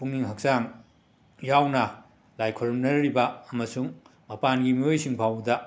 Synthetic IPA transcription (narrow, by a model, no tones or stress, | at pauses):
puŋniŋɦɐk̚saŋ | jawnɐ | lajkʰoɾmnɐɾibɐːmɐsuŋ | mɐpanɡimiojsiŋpʰawdɐ